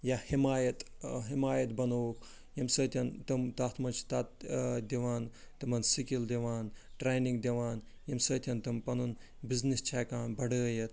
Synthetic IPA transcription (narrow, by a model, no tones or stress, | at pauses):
jahimaːjɐt̪ɦimaːjɐt̪̚bɐnoːk | jɐmsəːt̪ʲɐnt̪ɨmt̪at̪ʰmɐt͡ʃʰt̪at̪d̪iʋaːn | t̪ɐmɐnsikild̪iʋaːnʈɾeːjniŋɡd̪iʋaːn | jɐmsəːt̪ʰʲɐnt̪ɐmpɐnun | biznist͡ʃʰaːkaːnbɐɖəːjɐt̪